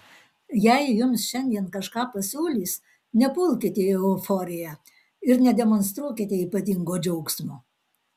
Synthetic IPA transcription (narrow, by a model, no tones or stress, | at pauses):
jɛɪjʊmsʃʲɛnʲd̪ʲiɛnkɐʃkɑːpɐsʲuːlʲiːs | nʲɛpʊlˠʲkʲɪt̪ʲɛɛʊfɔːɾʲɪjæ | ɪɾnʲɛd̪ʲɛmɔnst̪ɾuɔkʲɪt̪ʲɛiːpɐt̪ʲɪŋɡoːd͡ʒʲɛʊksmoː